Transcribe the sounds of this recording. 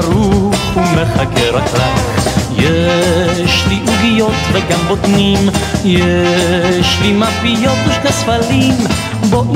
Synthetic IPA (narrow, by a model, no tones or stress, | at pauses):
ɾuχumeχakeɾaklaχjɛ | ʃliʔuɡijot̪veɡambot̪nimjɛ | ʃlimapijot̪iχasfalim | boʔ